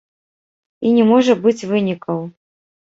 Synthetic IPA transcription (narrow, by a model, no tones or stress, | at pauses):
inʲɛmɔʐɐbɨt͡sʲvɨnʲikɐw